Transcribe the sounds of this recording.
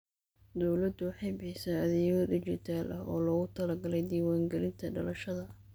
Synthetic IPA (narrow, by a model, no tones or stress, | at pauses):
d̪ɔwlɐd̪ʊwɑħɑjbɪħɪsɐɐðɛɔːðʊt͡ʃɪrt̪ʰaːlʔɐɦɔːlɔːɣʊt̪ʰɐlɐɡɐlɛjd̪iːwaːŋɡɐlɪnt̪ʰɐɖɐlɐʃɐðɐ